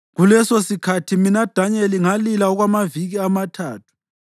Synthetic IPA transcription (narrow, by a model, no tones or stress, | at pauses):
ɣulɛsosikʰatʰiminad̥ʱaɲɛliŋalilaɔɣwamaviɣiamatʰa̰ːtʰu̥